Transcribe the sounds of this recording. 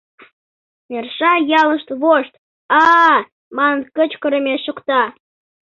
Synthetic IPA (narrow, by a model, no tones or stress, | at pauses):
nʲerʃɑjɑləʃt̪βoʃt̪ | ɑ | mɑnənkət͡ɕkə̆ɾə̆mʲesʃukt̪ɑ